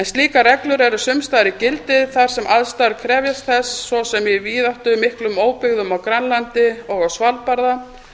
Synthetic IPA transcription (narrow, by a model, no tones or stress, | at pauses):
ɛnst̪liːkarɛklʏɾɛɾʏsʏmst̪ajɾɪcɪlt̪ɪðθaɾ̥sɛmʔaðst̪aɾkʰɾɛːvjast̪θɛsːvɔsɛmjɛviːðaht̪ʏmːɪhklʏmoːwpɪɣðʏmawkɾanlant̪ɪɔɣawsvalpaɾða